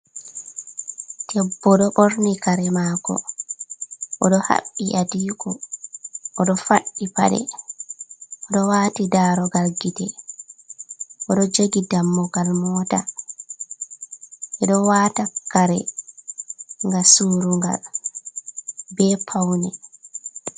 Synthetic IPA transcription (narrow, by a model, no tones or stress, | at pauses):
tʰɛbːɔɗɔɓoɾnikaɾɛmaːkɔ̰ | ʔɔɗɔha̰ɓːiʔadiːkɔ | ʔɔɗɔfaɓːipa̰ɗɛ̰ | ʔɔɗɔwaːtidaːɾɔɡaɾɡitɛ | ʔɔɗɔd͡ʒoɡidamːɔɡalmɔːta | ʔɛɗɔwaːtakaɾɛ̰ | ŋɡasuɾuŋɡa̰l | bɛːpʰawnɛ